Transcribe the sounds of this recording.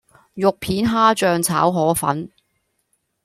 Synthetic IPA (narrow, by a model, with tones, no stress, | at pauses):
jʊ˨k̚pʰiː˨˥nɦaː˥t͡ʃœː˨˧ŋt͡sʰa̰ː˨˥wɦɔː˨˥fɐ̰˨˥n